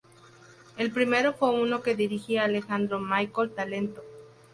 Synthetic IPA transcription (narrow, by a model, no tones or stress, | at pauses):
e̞lpɾime̞ɾo̞fwe̞uno̞ke̞ðiɾixiaːle̞xand̪ɾo̞majkolt̪ale̞nt̪o